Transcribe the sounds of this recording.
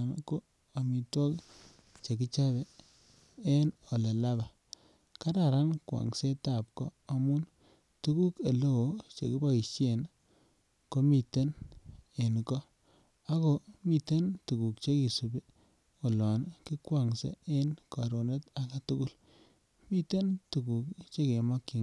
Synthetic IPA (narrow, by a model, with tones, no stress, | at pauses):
nko˦ | a˨mi˨twɔ˦k | t͡ʃe˨ki˦t͡ʃa˦be˨ | e˦no˨le˨la˦ba˨ | ka˦ɾa˨ɾa˦nkwa̰˨ŋse˦ta˦˨p̚kɔː˦˨mu˦n | tu˦ku˦ke˨lo˦o˨˦t͡ʃḛ˨ki˦ba˦i˨t͡ʃe˨n | ko˦mi˨te˦ne˨nkɔ˦ | a˦ko˨mi˨te˦ntu˨ku˨kt͡ʃe˦ki˨su˨bi˦ | o˨lɔ˨nki˦kwa˨ŋsḛ˨˦e˦nka˨ɾo˨ne˦ta˨ka˨tu˦ku˦l | mi˦te˦ntu˨ku˨kt͡ʃe˦ke˨mɔ˦ki˨